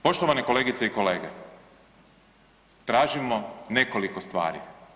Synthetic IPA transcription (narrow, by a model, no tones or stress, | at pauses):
po̞ʃt̪oʋaneko̞leːɡit̪seiko̞leːɡe | t̪ɾaːʒimone̞ko̞liko̞st̪ʋa̰ːɾḭ